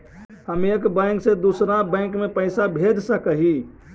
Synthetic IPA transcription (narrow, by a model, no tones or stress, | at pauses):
həmekbə̃ɪŋksed̪usɾãbə̃ɪ̃ŋkmepəɪsabʱed͡ʒsəkəɦi